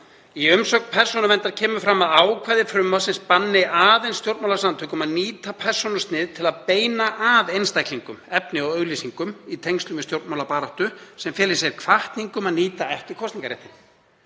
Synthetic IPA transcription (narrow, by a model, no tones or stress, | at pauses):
iʏmsɔk̪pʰɛr̥sɔnʏvɛnt̪aɾ̥cʰɛːmʏfɾamːaðaːwkʰvaːjðɪfɾʏmːḁsɪnspanːɪaːðejnst̪jowɾt̪mawlaɾsamt̪ʰœkʏmaðniːt̪apʰɛr̥sɔnʏst̪nɪːðt̪ʰɪlaðpeːjnaʔaðejnst̪ajkliŋkʏmɛpnɪɔɣœɣlisiŋkʏmit̪ʰejŋst̪ʏmɪst̪jowɾt̪mawlapaːɾɔht̪ʏsɛmfjɛːlɪsjɛɾkʰv̥aht̪niŋkʏmaðniːt̪aɛht̪ɪɾ̥kʰɔsniŋkaɾḛht̪ɪn